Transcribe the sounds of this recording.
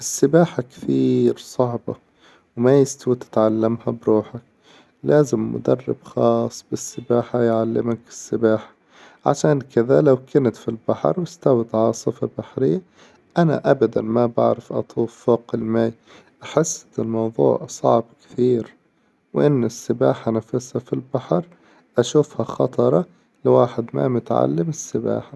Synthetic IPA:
ʔɪsːɪbaːħakt̪iːɾsˤɑʕbɑ | wmajɪst̪awt̪ɪ̥t̪ʕalːamhabɾuːħak̚ | laːzɪmːʊ̰d̪ɑ̰rˤːɪ̰b̥xɑːsˤːbɪsːɪbaːħajʕalːɪmakɪ̥sːɪbaːħḁ | ʕa̰ʃaːnkɪðalawkanat̪filbaħɑ̰ɾˤwɪst̪awɪt̪ʕɑsˤɨfabaħɾɪjːa | ʔana̰ʔabad̪anmaba̰ʕɾɪfʔɑ̰t̪ˤuːfːoːqɪlmaːj | ħɪsːɪlmɑwðˤṵːʕsˤɑ̰ʕbkɪ̥t̪iːɾ | wʔɪnːɪsːɪbaːħanafɪshafilbaħɑɾˤ | ʔaʃuːfhaxɑt̪ˤɑɾˤɑ | lɪwaːħɪd̪ma̰mʊt̪ʕa̰lːɪmɪsːɪba̰ːħa

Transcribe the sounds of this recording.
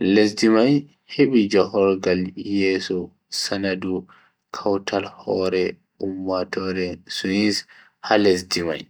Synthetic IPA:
lesdimaj | heɓid͡ʒahɔɾɡaljɛːsɔ | sanadu | kʰawtʰalhɔɾɛ | umːatɔɾɛsuins | halesdima̰j

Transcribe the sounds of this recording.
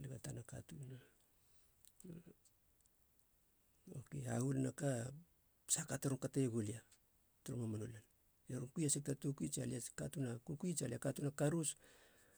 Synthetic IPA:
liɡatanaka̰tuna | okea̰ɡulnaka | sakataɾoŋkateeɡolia | toɾomamanolan | eɾomkujasek̚tatukuit͡ʃaliakatunakukuit͡ʃaliakatunakaɾus

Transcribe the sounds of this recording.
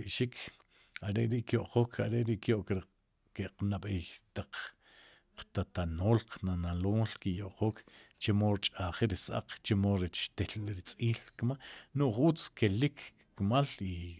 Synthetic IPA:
iʔʃikʰ | aɾeʔɾiʔkjoʔqoːkʰaɾeʔɾiʔkjoʔkɾi | keqnaɓejt̪aq͡χ | qt̪at̪anoːlqnanaloːlkijoʔqoːkt͡ʃemoɾt͡ʃʼaχiɾisa̰q͡χt͡ʃemoɾet͡ʃʃt̪elɾit͡sʼiːlkmanuʔχʔut͡skelikʰ | kmali

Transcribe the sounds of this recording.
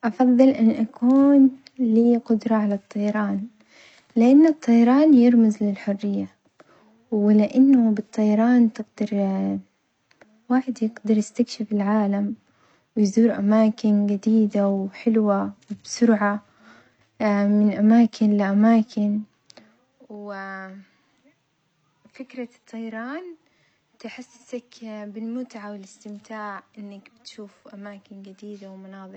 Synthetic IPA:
ʔɑfɑðˤːɨlʔɪnːʔakuːnliːqʊd̪ɾˤɑʕalat̪ˤːɑjɑɾˤɑːn | lɪʔanːʊt̪ˤːɑjɑɾˤɑːnjɪɾmɪzlɪlħʊrːɪjːa | wɪlɪʔanːʊbɨt̪ˤːɑjɑɾˤɑːnt̪ɪɡd̪ɑɾˤ | waːħɪd̪jɪɡd̪ɑɾˤjɪst̪akʃɪfɪlʕaːlam | wɪjzuːɾʔamaːkɪnɡad̪iːd̪awħɪlwawbsʊɾʕa | mɪnʔamaːkʰɪnlɪʔamaːkʰɪn | w | fɪkɾɑt̪ʰˤːɑjɾˤɑːn | t̪ɪħasːasakbɪlmʊt̪ʕawɪlɪst̪ɪmt̪ʰaːʕʔɪnːakbɪt̪ʃuːfʔamaːkɪnɡɪd̪iːd̪awmʊnɑːðˤɾ

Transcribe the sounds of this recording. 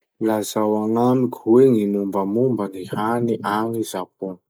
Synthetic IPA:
lazawaŋamikʲu̥weŋinumbəmumbənihaniʔaŋizapu

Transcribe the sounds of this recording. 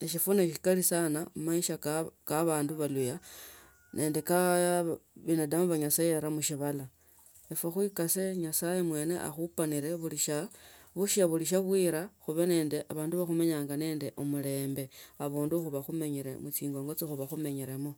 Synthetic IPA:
eʃifuneʃi̥kalisanamumaiʃakkaβaːnduβaluja | nʔe̞ːnde̞ka | βinadamuβaɲasajeβaɾamuʃiβala | efwexwikase̞ɲasajemwe̞ːne̞̰ʔa̰xupaniɾe̞βuliʃa | βuʃaβuliʃ̬aβwiɾaxuβene̞ːndeʔaβaːnduβaxume̞ɲaːŋɡane̞ːnde̞ʔomule̞ːmbe̞aβuːnduxuβaxume̞ɲiɾḛmut͡siːŋɡoŋɡo̞t͡sixuβaxume̞ɲiɾemo

